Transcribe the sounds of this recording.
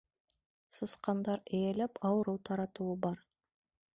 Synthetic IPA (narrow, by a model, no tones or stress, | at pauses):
səsqɑnd̪ɑɾejelɪpɑwəɾəwt̪ʰɑɾɑt̪uəbɑɾ